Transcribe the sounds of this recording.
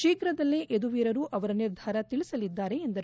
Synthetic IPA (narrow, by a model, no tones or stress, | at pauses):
ʃiːkɾɐd̪ɐlːeʔed̪uʋiːɾɐɾuːʔɐʋɐɾɐniɾd̪ʱaːɾɐt̪iɭisɐlid̪ːaːɾe̞ːnd̪ɐɾ